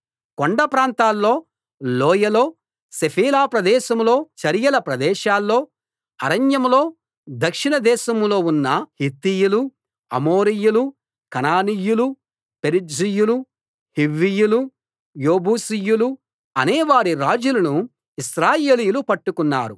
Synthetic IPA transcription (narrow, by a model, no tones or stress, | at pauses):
koɳɖɐpɾaːnt̪aːlːo̞ː | lɔːjɐlo̞ː | sepʰiːlaːpɾɐd̪ɛːʃɐmlo̞ːt͡ʃɐɾjɐlɐpɾɐd̪ɛːʃaːlːo̞ː | ɐɾɐnjɐmlo̞ː | d̪ɐkʂinɐd̪ɛːʃɐmlo̞ːunːɐhit̪ːijulu | ɐmoːɾijulu | kɐnaːnijulu | peɾid͡ʒijulu | hiʋːijulu | joːbuːsijulu | ɐneːʋaːɾiɾaːd͡ʒulɐnu | isɾaːjeːlijulupɐʈːukunːa̰ːɾu